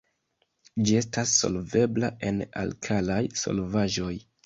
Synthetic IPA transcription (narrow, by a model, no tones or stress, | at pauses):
d͡ʒie̞stasːo̞̰lve̞blaʔe̞na̰lkʰalajso̞̰lvaʒo̞j